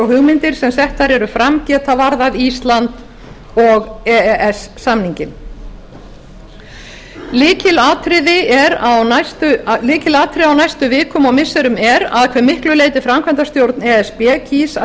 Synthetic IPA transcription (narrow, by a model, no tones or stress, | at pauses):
ɔɦʏɣmɪnt̪ɪɾ̥sɛmsɛht̪θaɾɛɾʏfɾamcɛːt̪avaɾðavist̪lant̪ | ɔɣɛɛsːamniɲcɪn | lɪːcɪlaːt̪ɾɪðɪɛɾawnast̪ʏlɪːcɪlaːt̪ʰɾɪðawnajst̪ʏvɪːkʏmawmɪsːɛɾʏmɛɾa̰ðkʰvɛɾmɪhklʏleːjt̪ɪfɾamkʰvɛnt̪ast̪jowɾt̪nɛɛspɛcʰis